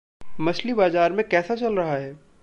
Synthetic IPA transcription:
mɐslibaːzaːɾmẽkɛːsat͡ʃɐlɾɐɦaɦɛː

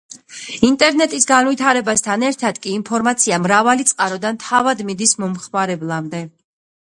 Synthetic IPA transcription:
int̪ʼɛɾnɛt̪ʼisɡanvit̪ʰaɾɛbast̪ʰanɛɾt̪ʰad̪kʼiːnpʰɔɾmat̪sʰiamɾavalit̪sʼqʼaɾɔd̪ant̪ʰavad̪mid̪ismɔmχmaɾɛblˠamd̪ɛ

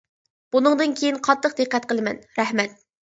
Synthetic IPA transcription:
b̥unɨŋd̪ɨnkʲʰejinqʰɑt̪ʰːəq̚d̪ɨqːɛt̪̚qəlˠɨmɛ̰nɾɛhmɛt̪̚

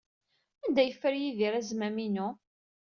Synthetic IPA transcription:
ænd̪æjəfːəɾjiðiɾæzmæminu

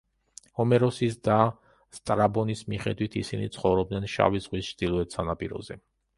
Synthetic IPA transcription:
hɔmɛɾɔsisd̪a | st̪ʼɾabɔnismiχɛ̰d̪wit̪ʰisinḭt̪sʰχɔvɾɔb̚d̪nɛnʃa̰vizʼʁʼwist͡ʃʰd̪̥ilˠɔɛt̪ʰsanapʼiɾɔ̰zɛ

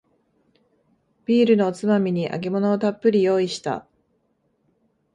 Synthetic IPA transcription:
b̥ʲiːɾɯ̟no̞ːt͡sɨmamʲiɲ̟iʔa̰ɡe̞mo̞no̞ːt̪apːɯ̟ɾʲijo̞ːiɕi̥t̪a̰

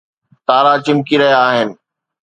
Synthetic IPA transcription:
t̪aːɾat͡ɕɪ̃mkiɾɐɦjaːɦɪnɪ̆

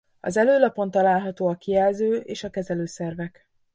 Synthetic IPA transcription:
ɒ̰zɛløːlɒpo̞nt̪ɒlaːlɦɒt̪oːɒkijɛlzøːʔeːʃɒkɛzɛløːsɛrvɛk

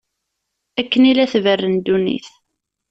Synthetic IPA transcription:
ækːənilæθvərːənd̪unḭθ

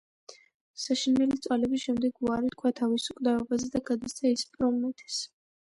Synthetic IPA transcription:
saʃinɛlit̪sʼwalɛbisʃɛmd̪ɛɡuaɾit̪̚kʰwat̪ʰavisukʼd̪aɔbazɛd̪aɡad̪ast̪ʰaispʼɾɔmmɛt̪ʰɛ̥s

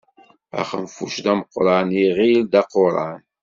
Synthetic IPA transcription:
æ̰χə̰mfuʃd̪æməqːɾˤaʕniʁild̪æqoɾˤa̰n

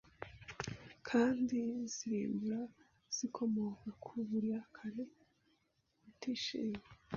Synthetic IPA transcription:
kʰaːndiz̥iɾḭːmbuɾa | z̥ikʰo̞mo̞kakʰuβuɾiakʰaɾe | βutiːʃḭːme

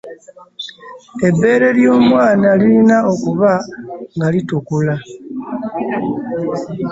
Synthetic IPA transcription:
e̞bːe̞ːɾe̞ljo̞ːmwaːnaliinao̞kuβaŋɡalitukula

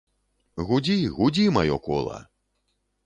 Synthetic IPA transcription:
ɣud͡zʲiɣud͡zʲimajɔkɔ̰lˠɐ̰

